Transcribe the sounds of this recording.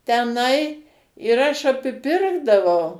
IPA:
tʲɛˈnɐɪ ɪr ˈɐʃ ɐpʲɪˈpʲɪrɡdɐʋɐʊ

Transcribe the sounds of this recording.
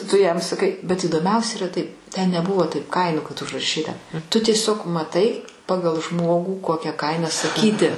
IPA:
tʊ jɛm sɐˈkɐɪ bʲɛt iːdoːˈmʲɛʊsʲɛ iːˈrɐ tɐɪp tʲɛn nʲɛˈbʊʋoː tɐɪp ˈkɐɪnuː kɐt ʊʒrɐˈʃʲiːtɐ tʊ tʲiɛˈsʲoːk mɐˈtɐɪ ˈpɑːɡɐlˠ ˈʒmoːɡuː ˈkoːkʲɛ ˈkɐɪnɐ sɐˈkʲiːtʲɪ

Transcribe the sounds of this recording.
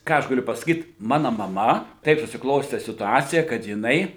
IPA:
ˈkɑː ɐʃ ɡɐˈlʲʊ pɐsɐˈkʲiːt ˈmɑːnoː mɐˈmɐ ˈtɐɪp sʊsʲɪˈklˠoːsʲtʲɛ sʲɪtʊˈɑːt͡sʲɪjɛ kɐt jɪˈnɐɪ

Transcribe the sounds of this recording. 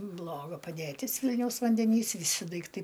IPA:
ˈblˠoːɡɐ pɐdʲeːˈtʲɪs ˈʋʲɪlʲnʲɛʊs ʋɐnʲdʲɛˈnʲiːs ʋʲɪˈsʲɪ dɐɪkˈtɐɪ

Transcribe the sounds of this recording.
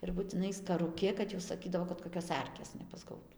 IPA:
ɪr bʊtʲɪˈnɐɪ skɐrʊˈkʲɪ kɐt jɛʊ sɐˈkʲiːdɐʋoː kɐt koːˈkʲoːs ˈɐrʲkʲeːs nʲɛpɐzˈɡɐʊtʊ

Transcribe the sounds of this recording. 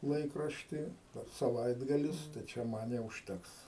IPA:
ˈlˠɐɪkrɐʃʲtʲiː sɐˈʋɐɪdɡɐlʲɪs tɐɪ ˈt͡ʃʲɛ ˈmɐn jɛʊ ʊʃʲˈtʲɛks

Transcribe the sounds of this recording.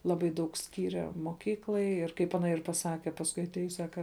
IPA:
ˈlˠɑːbɐɪ ˈdɐʊk ˈsʲkʲiːrʲɛ moːˈkʲiːklˠɐɪ ɪr kɐɪp ˈɑːnɐ ɪr pɐˈsɑːkʲɛ pɐsˈkʊɪ ɐtʲˈeːjʊs ˈsɑːkɐ

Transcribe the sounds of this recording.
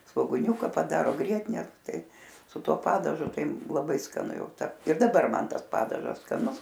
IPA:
sʋoːɡʊˈnʲuːkɐ pɐˈdɑːroː ˈɡrʲiɛtʲɪnʲɛ ˈtɐɪ sʊ ˈtuɔ ˈpɑːdɐʒʊ ˈtɐɪ lˠɐˈbɐɪ skɐˈnʊ ˈjɛʊ ˈtɐ ɪr dɐˈbɐr ˈmɐn ˈtɐs ˈpɑːdɐʒɐs skɐˈnʊs

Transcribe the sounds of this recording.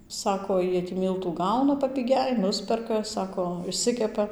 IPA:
ˈsɑːkoː ˈjiɛ tʲiː ˈmʲiːlˠtuː ˈɡɐʊnɐ pɐpʲɪˈɡʲɛɪ ˈnʊsʲpʲɛrkɐ ˈsɑːkoː ɪʃʲˈsʲɪkʲɛpɐ

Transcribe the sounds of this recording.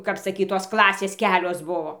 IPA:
kɐp sɐˈkʲiːt toːs ˈklˠɑːsʲeːs ˈkʲæːlʲoːs ˈbʊʋoː

